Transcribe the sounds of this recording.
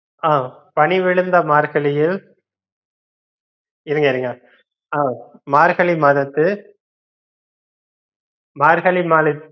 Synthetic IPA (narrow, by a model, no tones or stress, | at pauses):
aː | pɐɳiʋɪɭɯnd̪ɐmaːɾɣɐɭɪjɪl | ɪɾɯŋɡɐɪɾɯŋɡɐ | aːmaːɾɣɐɭimaːðɐt̪ːɯ | maːɾɣɐɭimaːðɐt̪ː